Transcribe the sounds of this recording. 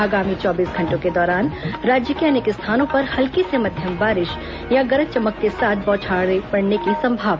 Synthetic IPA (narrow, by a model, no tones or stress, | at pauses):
aːɡaːmit͡ʃɔːbiːsɡʱɐ̃ɳʈõked̪ɔːɾaːnɾaːd͡ʒjəkeɐnekest̪ʰaːnõpɐɾhɐlkesemɐd̪ʱjəmbaːɾɪʃ | jãɡɐɾət̪̚t͡ʃɐməkːesaːt̪̚ʰbɔːt͡ʃʰaːepɐɽnekisɐ̃mbʱaːʋ